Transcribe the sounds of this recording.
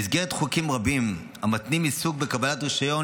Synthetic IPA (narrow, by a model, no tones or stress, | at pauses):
izɡeʁet̪χukimʁabim | amat̪nimisuɡ̚bekabalat̪ʁiʃajo̞